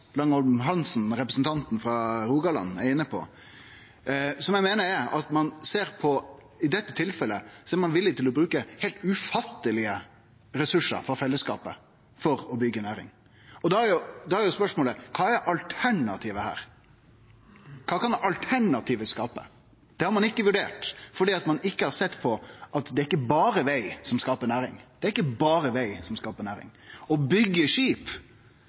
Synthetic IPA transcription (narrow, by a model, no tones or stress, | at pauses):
lɑŋɔlmɦɑnsn̩ɾɛpɾəsn̩t̪ʰɑnt̪n̩fɾɑɾuːɡɑlɑ̰nːæɾɪnːəpʰɔ̰ | sɔmjæɪmeːnəɾɛɾɑt̪mɑnseːɾpʰɔ | ɪd̪ɛt̪ːət̪ʰɪlfɛlːəsɔɛɾmɑnʋɪlːɪt̪ɪlɔbɾʉːkəhɛɪlt̪ʉfɑt̪ːəlɪə | ɾɛsʉʂːə̰ɾfɔfɛlːəskɑ̰ːpə̰ | fɔɾɔbʏɡːənæːɾɪ̰ŋ | ɔd̪ɑæɾjʊd̪ɑhæɾjʊspœʂmoːləkʰɑːæɾʔɑlt̪ʰæɳɑt̪ʰiːʋəhæ̰ːɾ | kʰɑːkɑnd̪ɛʔɑlt̪ʰæɳɑt̪ʰiːʋəskɑːpə̰ | d̪̥ɛhɑɾmɑnɪkːəʋʉɖeːʈfɔɖiːɑt̪mɑnɪkːəhɑɾsɛt̪ːpʰɔʔɑt̪d̪ɛæɾɪkːəbɑːɾəʋæɪsɔmskɑːpəɾnæːɾɪ̰ŋd̪̥ɛæɾɪkːəbɑːɾəʋæɪsɔmskɑːpəɾnæːɾɪ̰ŋɔbʏɡːəʂiːp